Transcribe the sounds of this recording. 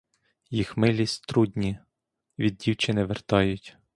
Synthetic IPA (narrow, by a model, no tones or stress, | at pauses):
jixmɪlʲist̪ɾud̪ʲnʲi | ʋʲid̪̚ːʲiwt͡ʃɪnɛʋert̪ɑjʊtʲ